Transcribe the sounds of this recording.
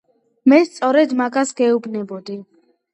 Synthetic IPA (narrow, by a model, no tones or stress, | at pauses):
mɛst̪sʼɔɾɛd̪maɡasɡɛubnɛbɔd̪i